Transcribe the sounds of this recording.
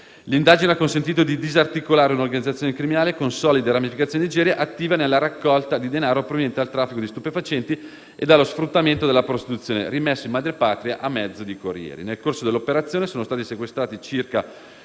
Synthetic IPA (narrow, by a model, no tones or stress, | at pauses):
lind̪aːd͡ʒineakːonsent̪iːt̪od̪id̪izart̪ikolaːɾeunorɡanid̪ːat̪ːjonekɾiminaːlekonsɔːlid̪eɾamifikat̪sjonenid͡ʒɛːɾjaʔat̪ːiːvanelːaɾakːɔlt̪ad̪id̪enaːɾopɾovenjɛnt̪ealt̪ɾafːikod̪ist̪upefat͡ʃɛnt̪i | ed̪alːosfɾut̪ːament̪od̪elːapɾost̪it̪ut̪sːjoːnḛrimɛsːoimad̪ɾepaːt̪ɾiaʔamːɛd̪zːod̪ikorjɛ̰ːɾḭnelkorsod̪elːopeɾat̪sːjoːnesoːnost̪aːt̪isekwest̪ɾaːt̪it͡ʃirka